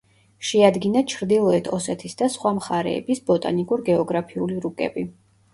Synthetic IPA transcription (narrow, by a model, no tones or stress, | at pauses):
ʃɛad̪ɡinat͡ʃʰɾd̪ilˠɔɛt̪ʰɔsɛt̪ʰisd̪asχwamχaɾɛ̰ːbisbɔt̪ʼa̰nikʼuɾɡɛɔɡɾapʰiuliɾukʼɛ̰bi